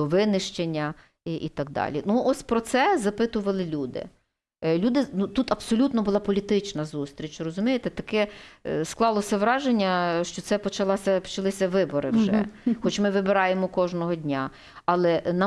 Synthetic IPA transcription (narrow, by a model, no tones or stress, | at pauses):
ɔʋɪnɪʃt͡ʃenʲːɐ | ʔit̪ɑɡ̚d̪ɑ̰lʲḭnuʔɔsʲpɾɔt̪sɛzɐpɪt̪ʊʋɐlˠɪlʲud̪ɪ̰ | lʲud̪ɪnut̪ut̪ɐbsɔlʲut̪nɔbʊlˠɑpɔlʲit̪ɪt͡ʃnɐzust̪ʲɾʲit͡ʃrɔzʊmʲijet̪ɛt̪ɐkɛsklˠɑlˠɔsʲɐʋɾɑʒenʲːɐʃt͡ʃɔt̪sɛpɔt͡ʃɐlˠɑsʲɐpɔ̥t͡ʃɐlˠɪsʲɐʋɪbɔɾɪ̰wʒɛ̰xɔt͡ʃmɪʋɪbɪɾɑjemɔkɔʒnɔɦɔdʲnʲa | ɑlˠɛnɑ